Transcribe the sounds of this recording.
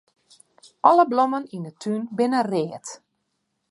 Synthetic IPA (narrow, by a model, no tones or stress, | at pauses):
ʔɔləblomənindətʰynbɪnəreːət